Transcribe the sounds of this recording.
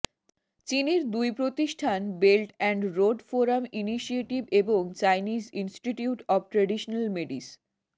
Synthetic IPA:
t͡ɕiniɾd̪ujpɾot̪iʃʈʰanbelʈɛɳɖɾoɖfoɾaminiʃieʈibeboŋt͡ɕajnid͡ʑinsʈiʈiuʈɔb̚ʈɾeɖiʃonalmeɖis

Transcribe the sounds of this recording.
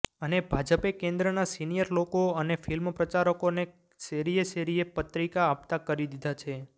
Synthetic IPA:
ənebʱad͡ʒəpekẽnd̪ɾənasinijəɾlokoənefilmpɾət͡ʃaɾəkone | seɾieseɾiepət̪ɾikaːpt̪akəɾid̪id̪ʱat͡ʃʰe

